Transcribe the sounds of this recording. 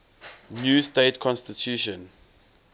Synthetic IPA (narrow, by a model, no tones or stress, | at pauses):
njusteɪtkʰɔ̃nstitʰjuʃɔ̃n